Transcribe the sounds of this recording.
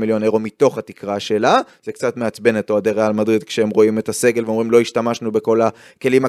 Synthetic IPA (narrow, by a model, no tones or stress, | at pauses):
miljo̞neʁomito̞χhatikʁaʃe̞laz̥ekt͡satmeat͡sbe̞netoadeʁealmadʁid̪kʃeemʁo̞imetase̞ɡe̞lveomʁimlo̞iʃtamaʃnube̞ko̞la | ke̞lima